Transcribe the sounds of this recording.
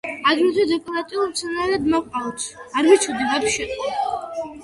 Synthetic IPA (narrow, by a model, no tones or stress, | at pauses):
ad̪ɾɛt̪ʰɛd̪ɛkʼɔɾat̪ʼiulˠmt̪sʰɛnaɾɛd̪makqʼat̪ʰaɾmit͡ʃ̪ʰɔd̪iɡad̪ʃɛt̪ʼɔ